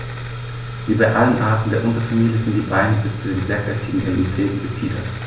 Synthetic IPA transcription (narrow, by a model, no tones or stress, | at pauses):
ʔyːbɐʔalənʔaːɐtn̩deːɐʔʊntɐfamiːljəzɪntd̥iːbaɪnəbɪst͡sudeːnzeːɐkɛtʰiːɡŋ̩ʔɛmʔit͡seːtn̩ɡətʰiːdɐt